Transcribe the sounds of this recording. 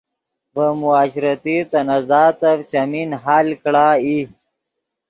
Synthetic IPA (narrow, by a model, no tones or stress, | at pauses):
bəmuaːɕɾɐt̪it̪ɐnazaːt̪avt͡ɕaminɦaːlkɽaːi